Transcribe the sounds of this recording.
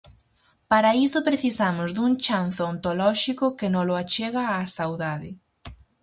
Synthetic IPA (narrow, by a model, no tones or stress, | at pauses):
paɾaisʊpɾeθisamʊzðuŋt͡ʃanθoont̪olɔʃikʊkenõloat͡ʃeɣaːsawðaðɪ